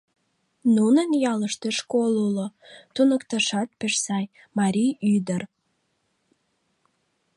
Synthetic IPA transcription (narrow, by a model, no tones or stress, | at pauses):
nunənjɑləʃt̪eʃkolulot̪unəkt̪ɑʃɑt̪̚peʃsɑj | mɑɾʲijyd̪ər